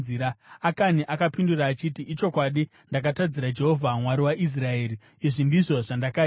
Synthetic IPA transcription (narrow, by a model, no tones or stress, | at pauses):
iɾaakaniʔakapinduraːt͡ʃitiʔːt͡ʃo̞kwaɗi | ndak̬atad͡ziɾad͡ʒe̞ɦovʱamwaɾiwaʔis̬raeːɾi | iʐindiʐo̞ʐandaka